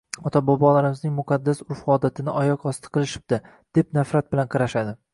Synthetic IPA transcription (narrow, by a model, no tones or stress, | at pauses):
ɒt̪ʰabɒbɒlaɾɪmɪznɪŋmʊqʰɑd̪ːasʊɾfɒd̪at̪ʰɪnɪʔɒjɒqɒst̪ʰɪ̥qʰɨlˠɪʃɪ̥b̚d̪ɪ | d̪̥e̞p̚nafɾat̪̚bɪlanqʰɑɾaʃad̪ɪ